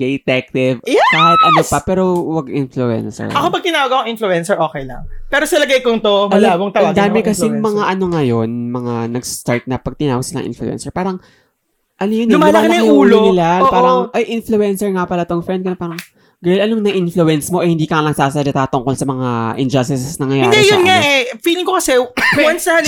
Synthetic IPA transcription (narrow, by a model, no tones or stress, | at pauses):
ɡejt̪ɛk̚t̪ɪvhɐt̪̚ʔɐnopɐpɛːɾo̞wɐɡʔɪnfluɛ̰nsɛ̰ɹɐkopɐɡ̚t̪ɪnaːwɐɡɐkoŋɪnfluɛnsɛɹʔoːkɛjlɐ̰ŋpɛːɾosɐlɐɡɐjkoŋt̪omɐlaːboŋt̪ɐad̪aːmɪkɐsɛmɐŋaʔɐno̞ŋɐjonmɐŋanɐɡst̪aɹt̪̚nɐpːɐɡ̚t̪ɪnaːwɐɡsɪlaɐ̰ŋʔɪ̰nflʊ̰ʔɛ̰nsɛɹpaːɾɐŋ | ʔɐnojonmalaknɐuːlonɪlapaːɾɐŋʔɐjʔɪnfluɛnsɛɹŋapɐlɐt̪oŋfɾɛnd̪̚kɐnɐpaːɾɐŋ | ɡɐjlʔɐnoŋnɐʔɪnfluɛnsmo̞ʔɛhɪnd̪iːkɐanɐɡ̚saːsad͡ʒɐt̪aːt̪ʊŋko̞lsɐmɐŋaʔɪnd͡ʒɐst̪ɪsnɐŋɐjaɪːɾd̪ɛjʊnŋaʔɛfiːlɪŋkokɐsɛwɐnsd̪ɐha